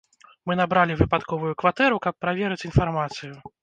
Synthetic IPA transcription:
mɨnabɾalʲivɨpat̪kɔvujukvat̪ɛɾukapːɾavʲɛɾɨt͡sʲinfarmat̪sɨju

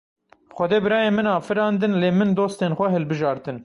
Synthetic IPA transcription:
xʷɛd̪eːbɨɾɑːjeːmɨnɑːfɨɾɑːnd̪ɨnleːmɨnd̪oːst̪eːnxʷɛɦɛlbɨʒɑːɾt̪ɨn

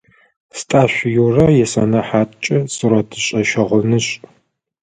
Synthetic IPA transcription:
stʼaːɕʷjurɐjɛsɐ̰nɐħaːtʼt͡ʃʼɐsɨɾɐtʰɨɕʼɐʃɐʁʷʊnɨɕʼ

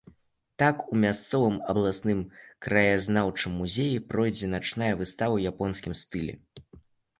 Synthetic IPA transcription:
t̪akumʲast̪sɔvɨmɐblˠasnɨmkɾɐjazn̪awt͡ʂɨmːuzʲejipɾɔjd͡zʲɛnat͡ʂnajɐvɨst̪avɐwjapɔnsʲkʲimst̪ɨlʲɛ̰

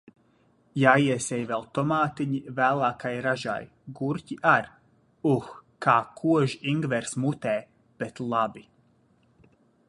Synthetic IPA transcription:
jaːiɛsʲɛjvɛlˠt̪ɔmaːt̪iɲivæːlˠaːkʰajɾaʒa̰j | ɡuɾciʔaɾ | uxkaːkʰuɔʒiiŋɡvɛɾsmut̪ɛː | b̥et̪lˠabi

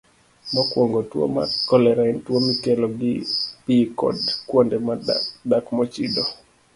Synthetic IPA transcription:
mɔkwoŋɡɔtwo̰ma̰kɔlɛɾaintwomikɛloɡipikɔ̰dkwondɛmadakmɔt͡ʃido

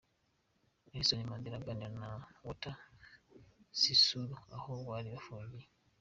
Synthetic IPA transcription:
eisonimand̪iɾaɡaninawuta | sisuluahowaːliβafoɟi

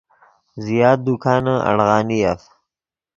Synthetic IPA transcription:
zijɑːd̪̚d̪ukʰɑːnəʔa̰ɽɣɑːniaf

